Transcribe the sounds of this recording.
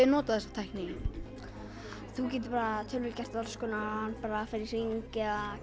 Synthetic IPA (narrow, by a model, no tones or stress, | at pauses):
ɪnɔːt̪aθɛsːḁt̪ʰajhkniŋɪn | θuc̬ɛːt̪ɪpaːɾat̪ʰœlvɪlcɛr̥t̪aðalskɔːnaanːpaːɾafɪɾɪɾ̥iŋcɪa